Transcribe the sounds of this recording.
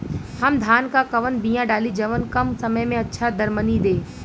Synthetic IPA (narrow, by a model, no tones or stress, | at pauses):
hɐmd̪ʱaːnkakɐʋənbijãɖaːlid͡ʒɐʋənkɐmsɐməjmẽɐtːʃʰad̪ʱɐɾmənid̪eː